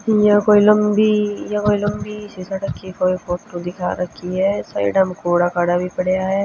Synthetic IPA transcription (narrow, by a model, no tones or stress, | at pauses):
jakoːilɐmbijakoːiləmbʱisisaʈɐkʰːikoːifoːt̪ɾod̪ɪkʰaɾɐkʰiɦɛːsa̰ːḭɖamkoːɽakaːɽabʱipɐɽeaɦɛː